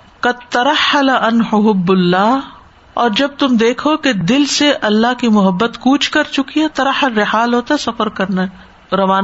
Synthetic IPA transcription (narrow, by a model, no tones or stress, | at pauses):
qɐd̪̚t̪ɐɾɐħɐlaʔɐnɦʊɦʊbːʊlːaː | ɔːɾd͡ʒɐb̚t̪ʊmd̪eːkʰoked̪ɪlseʔɐlːaɦkimʊɦəbːət̪kuːt͡ʃʰkɐɾt͡ʃʊkiɛt̪ɐɾɐħːəlːɪħaːlɦoːt̪aɦɛsɐfəɾkɐɾnaɦɛ | ɾɐʋaːn